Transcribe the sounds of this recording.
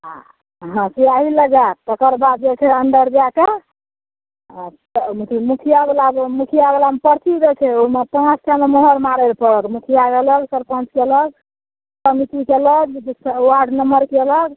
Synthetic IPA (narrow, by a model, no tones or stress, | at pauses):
a | ɦãsijaɦiləɡat̚t̪əkəɾbad̪d͡ʒekʰeənɖ̪əɾd͡ʒake | mik̪ʰimukʰijaɡelamukʰijaɡelampəɾt̪id̪ekʰeomepãt͡ʃkamemoɦəɾmaɾəlpəɽəkmukʰijakeləɡsəɾpə̃nt͡ʃkeələɡ | səmit̪ikeələɡswaɾɖnəməɾkeələɡ